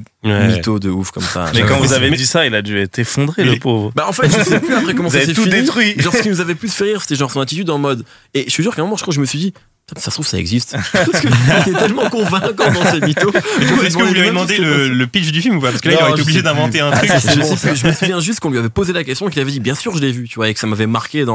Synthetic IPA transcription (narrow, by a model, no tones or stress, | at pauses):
wɛmit̪od̪əufkɔmsa̰mɛkɑ̃vuzaved̪isailad̪yɛt̪efɔ̃d̪ʁeləpovʁbaɑ̃fɛt̪ʒənsɛplyapχɛkɔmɑ̃zset̪uind̪eit̪χɥiʒɑ̃əkinuzavɛplysfɛʁiʁse̥t̪ɛʒɑ̃ʁsɔ̃nat̪it̪yd̪ɑ̃mɔd̪ | eʃəɥis̬yʁkɛ̃mɔmɑ̃ʃt̪aʒəməsɥid̪i | t̪ɛmsast̪χuvkə̥sa̰ɛ̰ɡzist̪kət̪ɛt̪ɛlmɑ̃kɔ̃vɛ̃kɔʁd̪ɑ̃semit̪oɛsm̃kəvvulaved̪ɑ̃d̪elələpiʃd̪yfilmupapaʁsə̥kəlailoʁɛeeobliʒed̪ɛ̃vɑ̃t̪eɛ̃t̪χykʒəɛsʒəməsuvjɛ̃ʒyst̪̚kɔ̃lɥiavɛpozelak̬ʲɛst̪jɔ̃kilavɛd̪ibjɛ̃syʁʒəlɛvyt̪yvwaekə̥samavɛmaʁkʲed̪ɑ̃